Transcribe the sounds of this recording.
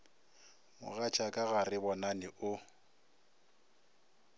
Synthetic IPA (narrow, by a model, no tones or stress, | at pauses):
mʊ̰ɣat͡ʃʰʼakʼaɣarɪbɔnanɪʔʊ